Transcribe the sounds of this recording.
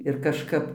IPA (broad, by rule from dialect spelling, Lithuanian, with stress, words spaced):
ɪr kɐʃˈkɐp